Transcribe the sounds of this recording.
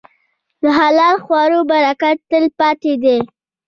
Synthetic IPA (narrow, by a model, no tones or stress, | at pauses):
d̪əɦalɑlxwɑɾobaɾakat̪ːəlpɑt̪ed̪e